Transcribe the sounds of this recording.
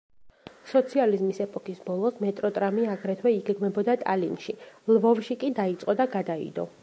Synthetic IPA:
sɔt̪sʰializmisɛpʼɔkisbɔlˠɔsmɛt̪ʼɾɔt̪ʼɾamiaɡɾɛt̪ʰwɛiɡɛɡmɛbɔd̪at̪ʼalinʃilvɔvʃikʼid̪ait̪sʼqʼɔd̪aɡad̪aḭd̪ɔ̰

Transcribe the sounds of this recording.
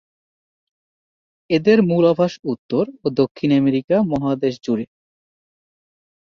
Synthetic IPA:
ed̪eɾmulabʱaʃut̪ːoɾod̪okʰːinɛmeɾikamɔɦad̪eʃd͡ʑuɾe

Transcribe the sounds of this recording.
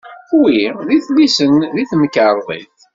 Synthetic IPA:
θwiðiθlisənðiθməkːəɾˤðˤḭθ

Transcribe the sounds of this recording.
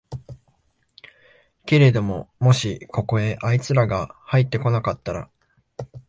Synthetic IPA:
ke̞ɾe̞d̪o̞mo̞mo̞ɕikʰo̞ko̞e̞ʔait͡sɨɾaɡahait̪ːe̞ko̞nakat̪ːaɾa̰

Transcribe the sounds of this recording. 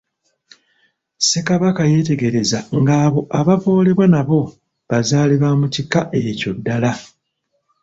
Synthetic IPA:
se̞kaβakaje̞te̞ɡe̞ɾe̞zaŋɡaːβo̞ʔaβavoːleβwanaβo̞ | βazaːliβamutikaʔe̞co̞dːala

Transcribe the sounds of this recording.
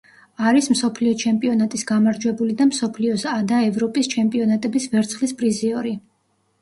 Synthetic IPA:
aɾism̩sɔpʰliɔt͡ʃʰɛmpʼiɔnat̪ʼisɡamaɾd͡ʒwɛbulid̪amsɔpʰliɔsad̪aɛvɾɔpʼist͡ʃʰɛmpʼiɔnat̪ʼɛbisvɛɾt̪sʰχlispʼɾiziɔɾi

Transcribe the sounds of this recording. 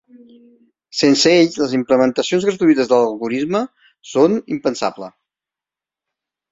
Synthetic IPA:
sensəeʎləzimpləmənt̪əsionzɣɾət̪uit̪əzðələlˠɣuɾizmə | sonimpənsa̰blə̰

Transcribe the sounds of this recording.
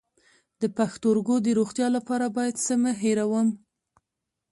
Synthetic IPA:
d̪̥əpaxt̪oɾɡod̪əɾoxt̪jɑlapɑɾabɑjad̪səməɦeɾawəm

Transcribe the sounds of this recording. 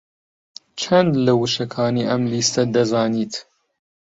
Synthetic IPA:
t͡ʃʰɐnd̪lɐwɨʃɐkʰɑːniːʔɐmliːst̪ɐd̪ɐzɑːniːt̪

